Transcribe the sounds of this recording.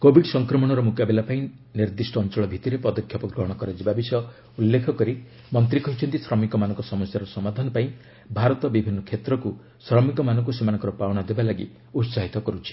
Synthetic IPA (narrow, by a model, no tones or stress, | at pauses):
kobʱiɖsɔŋkɾɔmɔɽ̃ɔɾɔmukabelapaĩ | niɾd̪isʈɔːnt͡ʃɔɭɔbʱit̪iɾepɔd̪ɔkʰjɔpɔɡɾɔɦɔɽ̃ɔkɔɾad͡ʒibabisɔ | ulːekʰɔkɔɾi | mɔnt̪ɾikɔɦit͡ʃʰɔnt̪isɾɔmikɔmanɔŋkɔsɔmɔsjaɾɔsɔmad̪ʱanɔpaĩ | bʱaɾɔt̪ɔbibʱinːɔkʰet̪ɾɔku | sɾɔmikɔmanɔŋk̬usemanɔŋkɔɾɔpawɽ̃ad̪ebalaɡḭ | ut̪saɦit̪ɔkɔɾut͡ʃʰi̥